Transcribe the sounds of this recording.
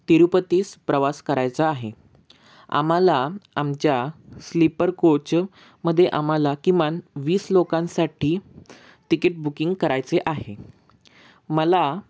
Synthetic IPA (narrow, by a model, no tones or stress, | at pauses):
t̪iɾupət̪iːspɾəʋaskəɾajt͡saaɦe | a̰malaamt͡ɕjaslipəɾkot͡ɕ | məd̪ʱːjeʔam̤alakĩʋanʋiːslokãnsaʈʰiː | ʈikeʈ̚bukiŋɡkəɾajt͡seʔaɦe | məla